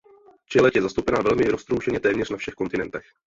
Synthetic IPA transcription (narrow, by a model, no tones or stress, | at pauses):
t͡ʃɛlɛcjɛzast̪owpɛnavɛlmɪɾo̞st̪ɾowʒɛɲɛt̪ɛːmɲɛr̥nafʃɛxko̞nt̪ɪnɛnt̪ɛx